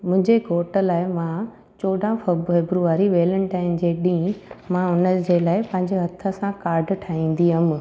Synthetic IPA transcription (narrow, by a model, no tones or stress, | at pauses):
mʊ̃ɦɪ̃ɲd͡ʑeɡʱoːʈə̆laːɪmã | t͡ɕoːɖʱãfefebɾuʋaːɾiʋeːləñʈaːɪmd͡ʑeːɗĩːmãʊnəd͡ʑeːlaːɪpɐ̃ɦɪ̃ɲd͡ʑeɦɐt̪ʰə̆sãkaːɾɖʈʰaːĩːn̆d̪iɦəm̆